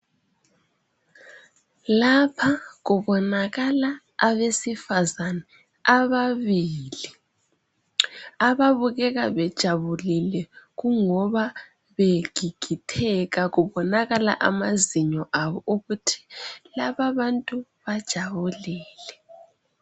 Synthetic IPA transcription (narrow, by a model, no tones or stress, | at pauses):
lapʰaɣuβɔnaɣalaː | βesifazanɛ | aβaβiːli | aβaβuɣɛɣaβɛd̥ʒ̥ʱaβulilɛɣuŋɔβa | βeɡ̥ʱiɡ̥ʱitʰɛɣaɣuβɔnaɣala̰ʔamaziɲɔʔaβɔʔuɣutʰi̥laβaβantʼuβad̥ʒ̥ʱaβuliːlɛ